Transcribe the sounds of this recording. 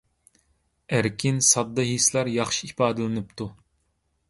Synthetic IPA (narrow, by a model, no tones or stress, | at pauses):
æɾkʲʰinsɑd̪ːɑɦislˠɑɾjɑχʃiipɑːd̪ɨlˠɨnɨp̚t̪ʰu